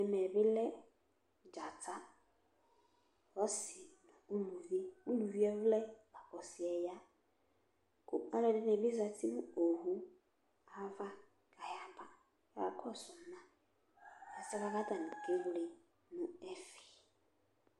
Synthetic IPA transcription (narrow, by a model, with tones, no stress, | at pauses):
ɛ˨mɛ˨bɪ˦lɛ˦ | d͡ʒa˨tʰa˦ | hɔ˦sɪ˨nu˨u˦lu˨vi˦u˦lu˨vi˦ɛ˦vlɛ˦ɡa˨kɔ˨si˨ɛ˨ja˦ | kʊ˦a˦lɛ˨dɪ˦nɛ˨bi˦za˨tʰi˦mu˦o˨hu˦ | a˨va˦ | ka˨ja˦ba˨ | ja̰˨kʰɔ˦sʊ˨nã˦ | a˨sɪ˦ka˦ka˦ta˨nʊ̃˨ke˦vli˨ | nʊ̃˨˦ɛ˦fi̥˨